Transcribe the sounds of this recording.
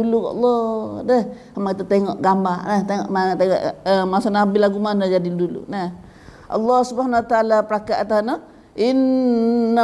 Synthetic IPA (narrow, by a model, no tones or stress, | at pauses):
ulukʔɔ̰lˤːɔdɛh | amakit̪ut̪eŋɔʔɡambarnɛht̪eŋɔ̰ʔmat̪eŋɔ̰ʔəmasanabilaɡumanəd͡ʒadidulṵnɛh | ʔɑ̰lːɔhsubhanawat̪aaːlapəɾakat̪̚at̪anɔ | ʔinː